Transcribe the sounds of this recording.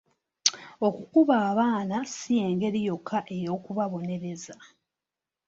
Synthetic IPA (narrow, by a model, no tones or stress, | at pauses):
o̞kukuβaːβaːnasije̞ːŋɡe̞ɾijo̞kʰːaʔe̞jo̞ːkuβaβo̞ne̞ɾe̞za